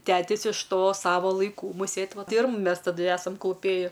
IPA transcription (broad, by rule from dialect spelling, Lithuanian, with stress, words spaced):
ˈtʲæːtʲɪs ɪʃ ˈtoː ˈsɑːʋoː lˠɐɪˈkuː muːˈsʲeːt ˈʋɐt ˈtɐɪ ɪr mʊ ˈmʲɛs tɐˈdʊ ˈæːsɐm klˠʊˈpʲeːjɪ